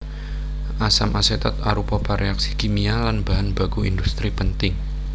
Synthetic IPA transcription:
ʔasamʔaset̪ɔt̪̚aɾupɔpaɾeaksikimialanbaɦanbaɡ̥uḭnd̪ust̪ɾipənt̪ɪŋ

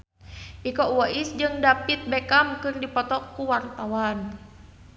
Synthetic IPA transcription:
ʔikɔuwaʔisd͡ʒɨŋdapit̪̚bɛkamkɨrdipɔt̪ɔkuwart̪awan

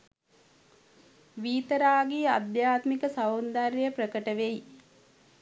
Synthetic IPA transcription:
ʋiːt̪əɾaːɡiad̪jaːt̪mikəsawund̪arjjəprəkəʈəʋej

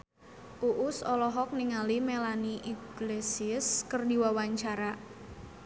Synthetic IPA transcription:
ʔuʔʊsɔlɔɦɔk̚niŋalimelaniʔiɡlesiskərdiwawaɲt͡ʃaɾa

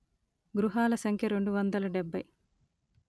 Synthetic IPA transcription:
ɡɾuɦaːlɐsɐŋkʰjɐɾe̞ɳɖuʋɐnd̪ɐlɐɖebʱːɐj

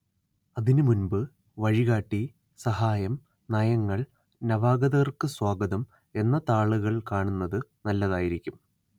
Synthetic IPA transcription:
ɐðinɨmunbɨ | ʋɐɻiɣaːʈːi | sɐɦaːjɐm | nɐjɐŋːɐɭ | nɐʋaːɡɐðɐɣɐrkɨswaːɡɐðɐm | e̞nːɐt̪aːɭuɣɐɭkaːɳunːɐðɨnɐlːɐðaːjiɾikʲːum

